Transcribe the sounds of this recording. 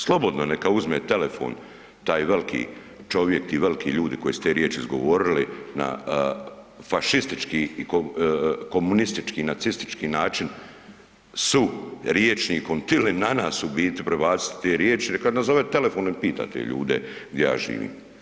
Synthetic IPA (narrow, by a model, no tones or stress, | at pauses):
slˠo̞bod̪nonekauzmeːt̪e̞le̞fo̰ːn | t̪aːjʋelikʰḭː | t͡ʃo̞ʋjek̚t̪iʋe̞likiʎuːd̪iko̞jisut̪eːɾjeːt͡ʃiizɡo̞̰ʋoːɾilina̰ | faʃist̪it͡ʃkiːikoko̞munist̪it͡ʃkiːnat̪sist̪i̥t͡ʃkiːnaːt͡ʃin | suɾjeːt͡ʃnikont̪ilinːanaːsubiːt̪ipɾe̞baːt̪si̥t̪i̥t̪eːɾjeːt͡ʃinekad̪nazoʋet̪e̞le̞fo̞ːnipiːt̪a̰ːt̪ḛʎṵːd̪e̞̰ɡd̪ʲjeja̰ːʒḭːʋḭːm